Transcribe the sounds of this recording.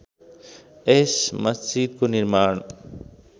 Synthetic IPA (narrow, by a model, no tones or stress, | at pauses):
esmɐsd͡ʑid̪̚koniɾmaːɳ